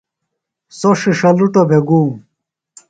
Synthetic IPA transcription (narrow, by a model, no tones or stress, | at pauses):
soʂiʂɐluʈobʱeɡuːm